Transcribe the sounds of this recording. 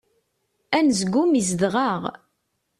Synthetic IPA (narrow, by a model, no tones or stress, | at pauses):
ænzɡʷːumizðʁɑʁ